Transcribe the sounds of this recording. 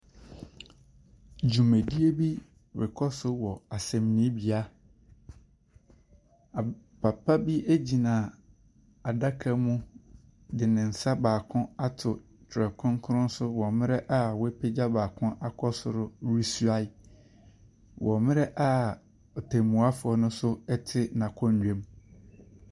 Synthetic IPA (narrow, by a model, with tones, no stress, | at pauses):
d͡ʑũ˨mæ̃˨di˦e˦bi˦ | wɪ̰˨kʰɔ˦sʊ˦wɔ˨a˨sɛ̃˨m˨nĩ˦bi˨a˦˨ | pʰa˨pʰa˦bi˦e˦d͡ʑi˨nã˨ | a˨da˦kʰa˦mʊ̃˦ | dɪ˨nɪ̃˨n̩˨sa˦baː˨kʰʊ̃˦a˦tʰʊ˨ | tʰɾɛ˨kʰʊ̃˦ŋ˦kʰʊ˦ɾʊ̃˦n˦sʊ˦wɔ̃˨mɪ̃˦ɾɛ˦ʔa˦wɛ˦pʰe˦d͡ʑa˦baː˨kʰʊ̃˦ʔa˨kʰɔ˦sʊ˦ɾʊ˦ɾu˦su˦a˦ɪ˦ | wʔɔ̃˨mɪ̃˦ɾɛ˦ʔa˦ | ɔ˨tʰɛ̃˨mũ˨a˦fʊ˨ɔ˨nʊ̃˦sʊ˦ɛ˦tʰɪ˦nã˨kʰɔ̃˦ɲ̩ᶣ˦˨ẽ˦m